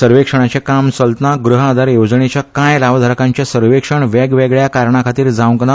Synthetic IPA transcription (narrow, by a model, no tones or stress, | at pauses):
səɾʋekʂəɳ̃at͡ɕekamsəlt̪naɡɾuɦad̪ʱaɾjod͡zɳet͡ɕjakãjlaʋd̪ʱəɾkãɲt͡ɕjasəɾʋekʂəɳʋɛɡʋeɡɭjakaɾɳakʰat̪iːɾd͡zaʋŋkna